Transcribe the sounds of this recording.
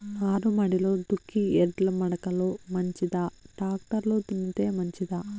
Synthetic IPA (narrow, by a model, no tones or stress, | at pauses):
aːɾumɐɽiloːd̪ukʰːiɛɖlɐmɐɽɐkɐloːmɐɲt͡ʃid̪aːɖaːk̚ʈɐɾloːt̪unːit̪e̞ːmɐɲt͡ʃid̪aː